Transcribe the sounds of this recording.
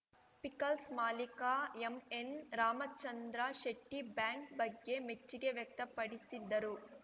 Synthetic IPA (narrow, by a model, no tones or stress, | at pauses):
pikɐlsmaːlikaemenɾaːmɐt͡ʃɐnd̪ɾɐʃeʈːibjaːŋk̚bɐɡːe̞met͡ʃːiɡe̞ʋjɐk̚t̪ɐpɐɽisid̪ːɐɾu